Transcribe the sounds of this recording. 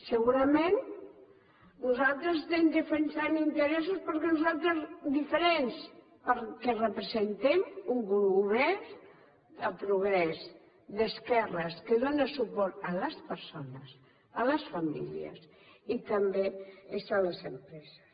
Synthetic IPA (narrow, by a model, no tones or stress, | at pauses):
səɣuɾəmen | nuzalˠt̪ɾəszt̪emd̪əfensanint̪əɾɛs̬uspəɾkɛnuzalˠt̪ɾəzd̪ifəɾɛns | pəɾkɛrəpɾəzent̪ɛmuŋɡuɾuuβɛ | əpɾuɣ̞ɾɛs | d̪əskɛrəskəðonəsupɔɾt̪ələspəɾsonəs | ələsfamḭlḭə̰s | it̪əmbeesaləzəmpɾɛzə̥s